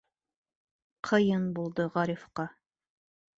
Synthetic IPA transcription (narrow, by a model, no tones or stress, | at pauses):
qʰɤ̆jɤnbulˠd̪ɤʁɑɾifqɑ